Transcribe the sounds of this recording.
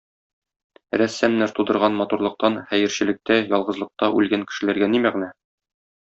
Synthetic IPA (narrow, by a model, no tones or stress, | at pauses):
ɾæsːæmnæɾt̪ud̪ɤ̆ɾʁɑnmɒt̪uɾlˠɤ̆q̚t̪ɑnχæjɘ̆ɾɕɘ̆lɘ̆k̚t̪æjɒlˠʁɤ̆zlˠɤ̆q̚t̪ɑʔʉ̰lɡæŋkɘ̆ʃɘ̆læɾɡænimæʁ̆næ